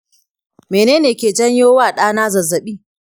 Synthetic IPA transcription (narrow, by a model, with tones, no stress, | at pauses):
meː˨neː˦neː˨kʲeː˨d͡ʒɐ˦ɲjoː˦waː˦˨ɗaː˦naː˦zɐ˨zːɐ˨ɓiː˦˨